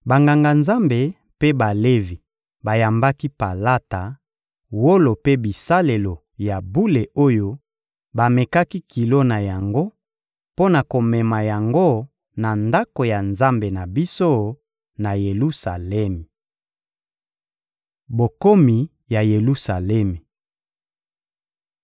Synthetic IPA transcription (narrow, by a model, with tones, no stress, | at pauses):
ba˨ŋɡa˨ŋɡa˨nza˦mbe˨ | pe˦ba˨le˦vi˨ | ba˨ja˨mba˦ki˦pa˨la˦ta˨ | wo˦lo˨pe˦bi˨sa˦le˨lo˨ | ja˨bu˦le˨ʔo˦jo˦ | ba˨me˨ka˦ki˦ki˨lo˦na˨ja˨ŋɡo˦ | po˦na˨ko˨mɛ˨ma˨ja˨ŋɡo˦ | na˨nda˦ko˨ja˨nza˦mbe˨na˨bi˦so˦ | na˨je˨lu˦sa˨lɛ˦mi˨ | bo˨ko˦mi˨ | ja˨je˨lu˦sa˨lɛ˦mi˨